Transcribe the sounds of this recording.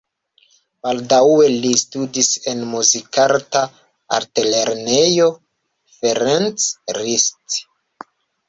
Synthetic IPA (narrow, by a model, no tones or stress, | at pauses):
b̥aldawe̞listudise̞nmuzikanta | a̰ɾtele̞ɾnejo | feɾent͡sɾist